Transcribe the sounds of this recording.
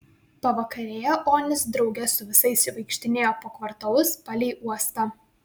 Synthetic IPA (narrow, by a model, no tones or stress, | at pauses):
pɐʋɐkɐɾʲeːjɛʔoːnʲɪsd̪ɾɒʊɡʲɛsʊʋʲɪsɐɪsʲʋɐɪkʃʲt̪ʲɪnʲeːjoːpoːkʋɐɾt̪ɐlˠʊspɑlʲɛɪʔuɔst̪ɑ